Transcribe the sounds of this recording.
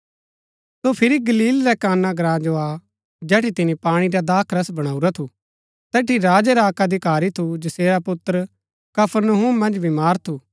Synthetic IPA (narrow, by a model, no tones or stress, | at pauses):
sopʰɪɾiɡɐliːlɾɛkaːnːaɡɾãːd͡ʒoa | d͡ʒɛːʈit̪ɪnipaːɽ̃iɾad̪aːkʰɾɐsbɐɽ̃aːuɾat̪ʰu | t̪ɛːʈiɾaːd͡ʒɛɾaːkad̪ʱikaːɾit̪ʰud͡ʒɐseːɾapʊt̪ːəɾ | kɐpʰəɾnəɦuːmːɐ̃nd͡ʒbʱimaːɾt̪ʰu